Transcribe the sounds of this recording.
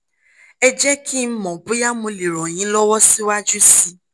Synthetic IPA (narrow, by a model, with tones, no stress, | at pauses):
ɛ˦d͡ʒɛ˦kʰi˦m̩˦mɔ̃˨bu˨˦ja˦mũ˧li˨ɾɔ˨j̃ĩ˨˦lɔ˦wɔ˦si˦wa˦d͡ʒu˦si˧